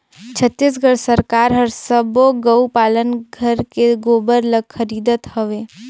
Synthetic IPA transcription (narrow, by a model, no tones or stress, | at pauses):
t͡ʃʰət̪ːis̬ɡʱəɽsəɾkaːɾɦəɾsəboɡəupaːlənɡʱəɾkeɡoːbəɾləɡxʰəɾiːd̪ət̪həʋeː